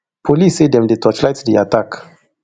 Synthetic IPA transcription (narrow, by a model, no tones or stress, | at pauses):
pʰolisedɛ̃mdetʰɔt͡ʃlajtsdia̰tak